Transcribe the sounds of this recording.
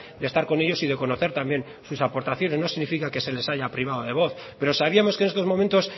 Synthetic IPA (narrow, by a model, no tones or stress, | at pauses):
d̪e̞st̪aɾko̞ne̞ʎo̞siðe̞ko̞no̞θe̞ɾt̪ambje̞n | susapo̞ɾt̪aθjo̞neno̞siɣnifikake̞se̞le̞saʝapɾiβ̞aðoðe̞β̞o̞θ | pe̞ɾo̞saβiamo̞ske̞nest̪o̞zmoment̪o̞s